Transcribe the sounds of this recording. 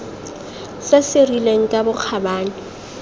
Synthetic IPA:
sasɪrileŋ̩kʼabʊk͡xʰabaːnɪ

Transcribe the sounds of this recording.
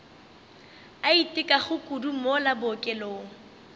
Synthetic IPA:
aitʼɪkʼaχʊkʼudumɔlabʊkʼɛloːŋ̩

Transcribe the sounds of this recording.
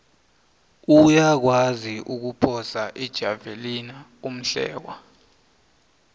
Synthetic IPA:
ujak̬waziʔuk̬upʰɔsaʔɛd̥ʒ̥ʱavelina | um̩ɬɛ̰ːk̬a

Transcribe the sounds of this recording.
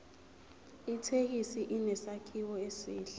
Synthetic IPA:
itʰek̬isiʔinɛsakʰiwɔesiːɬɛ̥

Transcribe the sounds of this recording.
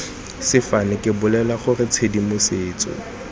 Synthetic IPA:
sɪfanɪkʼɪbʊlɛlaχʊrɪt͡sʰedimʊseːt͡sʼɔ̰

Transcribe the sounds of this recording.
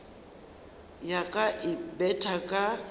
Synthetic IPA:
jakʼaʔɪbɛtʰʼakʼa

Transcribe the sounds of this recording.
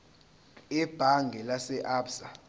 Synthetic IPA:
ɛb̥ʱaŋɡʱɛlasɛʔaːbsa

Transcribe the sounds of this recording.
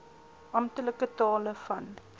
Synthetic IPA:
ʔɑmtələkətɑːləfɐn

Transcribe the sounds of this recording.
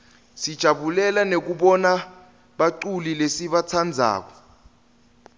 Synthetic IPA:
sid̥ʒ̥ʱaɓulɛlanek̬uɓɔna | ɓaǀulilesiɓat͡sʰand͡zʱa̰ːk̬ɔ̥

